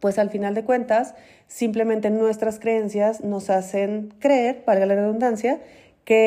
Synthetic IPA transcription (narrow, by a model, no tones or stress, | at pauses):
pwe̞salfinald̪e̞kwe̞nt̪asː | imple̞mẽ̞nt̪e̞nwe̞st̪ɾaskɾee̞nsjazno̞sase̞ŋkɾeeɾbaɾɣalareðund̪ansja | ke